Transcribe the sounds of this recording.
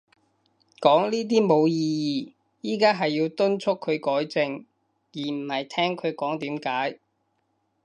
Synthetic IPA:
kɔː˨˥ŋliː˥t̪̬iː˥mo˨˧wjiː˧jiː˨ | jiː˥kaː˥ɦɐ˨jːiː˧wt̪ɵ˥nt͡ʃʰʊ˥kʰːɵ˨˧ɥkɔː˨˥jt͡sɪ˧ŋ | jiː˨˩m̩˨˩hɐ˨jt̪ʰɛː˥ŋkʰɵ˨˧ɥkɔː˨˥ŋt̪iː˨˥mkaː˨˥j

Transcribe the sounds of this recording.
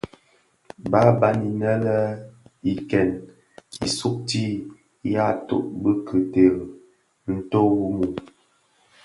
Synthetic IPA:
ba˦ba˦ni˨nə˦lə˦i˨kɛ˨n | ḭ˨su˦k̚ti˦ | ja˦to̰˨ʔbə˦kʰə˨te˨ɣ | n̩˦to˦wu˦mu˨

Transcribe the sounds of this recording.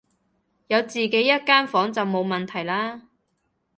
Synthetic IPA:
jɐ˨˧wt͡siː˨ke˨˥jːɐ˥t̚kaː˥nfɔː˨˥ŋt͡sɐ˨wmo˨˧wmɐ˨nt̪ʰɐ˨˩jlaː˥

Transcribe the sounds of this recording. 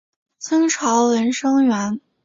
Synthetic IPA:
t͡sʰɤ˥ŋʈ͡ʂʰɑ˧˥ʊlə˧˥nʂɤ˥ŋɥɛ˧˥n

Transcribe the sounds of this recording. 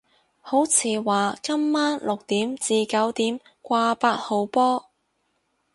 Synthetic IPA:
ho˨˥wt͡sʰiː˨˧waː˨kɐ˥mːaː˥nlʊ˨k̚t̪iː˨˥mt͡siː˨˧kɐ˨˥wt̪iː˨˥m | kʷaː˧paː˧˥t̚ho˨wpɔː˥

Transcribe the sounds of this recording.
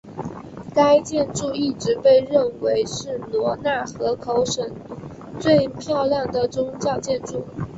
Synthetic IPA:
ka˥ɪt͡ɕjɛ˥˧nʈ͡ʂu˥˧i˥˩ʈ͡ʂɻ̩˧˥pe˥˧ɪɻə˥˩nwe˧˥ɪʂɻ̩˥˩lwɔ˧˥na˥˩xɤ˧˥kʰo˧˥ʊʂə˨˩ŋ | t͡swe˥˧ɪpʰjɑ˥˧ʊljɑ˥˩ŋd̪ə˩ʈ͡ʂʊ˥ŋt͡ɕjɑ˥˧ʊt͡ɕjɛ˥˧nʈ͡ʂu˥˩

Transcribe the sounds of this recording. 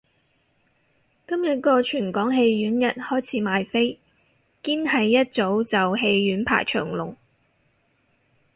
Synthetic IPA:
kɐ˥mjɐ˨˥t̚kɔː˧t͡ʃʰyː˨˩nkɔː˨˥ŋɦe˧jɥyː˨˥njɐ˨t̚hɔː˥jt͡sʰiː˨˥maː˨jfe˥j | kiː˥nhɐ˨jːɐ˥t̚t͡so˨˥wt͡sɐ˨wɦe˧jɥyː˨˥npʰa̰ː˨˩jt͡ʃʰœ̰ː˨˩ŋlʊ˨˩ŋ

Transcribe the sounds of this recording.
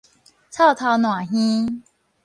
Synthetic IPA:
t͡sʰa˥˨ʊt̪ʰa˧˦ʊnwa˨˩ɦĩ˦

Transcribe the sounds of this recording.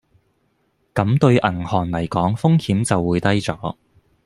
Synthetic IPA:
kɐ˨˥mt̪ɵ˧ɥʔɐ˨˩ŋhɔː˨˩nlɐ˨˩jkɔː˨˥ŋfʊ˥ŋhiː˨˥mt͡sɐ˨wːuː˨˧jt̪ɐ˥jt͡sɔː˨˥

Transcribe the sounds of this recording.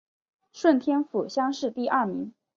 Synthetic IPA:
ʂwə˥˩nt̪ʰjɛ˥nfu˨˩ɕjɑ˥ŋʂɻ̩˥˧t̪i˥˧ʔɐ˥˩mi˧˥ŋ

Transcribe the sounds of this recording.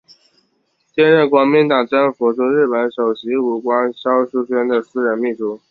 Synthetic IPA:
ɕjɛ˥˧nɻə˥˩nkwɑ˧˥ŋmi˧˥nt̪ɑ˨˩ŋʈ͡ʂə˥nfu˧˥t͡sɔ˥˧ɻɻ̩˥˩pə˧˥nʂo˨˩ʊɕi˧˥u˨˩kwa˥nɕjɑ˥ʊʂu˥ɕɥɛ˥nd̪ə˨sɹ̩˥ɻə˧˥nmi˥˩ʈ͡ʂu˥˩

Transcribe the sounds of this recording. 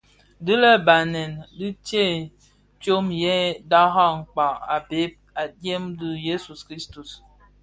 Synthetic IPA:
dɨ˦lɛ˦ba˨nɛ˨ndi˦t͡ʃe˦˨ | t͡ʃo˦mjɛ˦da˦ɦa˦ŋ̩˨k͡pa˨a˨be˨˦p̚a˨de˦mdɨ˦je˦su˨skɾi˦stu˨s

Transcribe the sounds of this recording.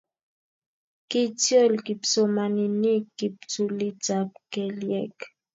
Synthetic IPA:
ki˦tjɔ˦˨lki˨pt͡so˨ma˨ni˨ni˦kːi˨p̚t͡su˨li˦t͡sa˨p̚kɛ˨ljɛ˦˨k

